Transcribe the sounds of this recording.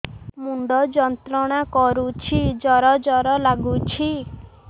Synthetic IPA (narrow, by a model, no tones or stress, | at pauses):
muɳɖɔd͡ʒɔnt̪ɾɔɽ̃akɔɾut͡ʃʰid͡ʒɔɾɔd͡ʒɔɾɔlaɡut͡ʃʰi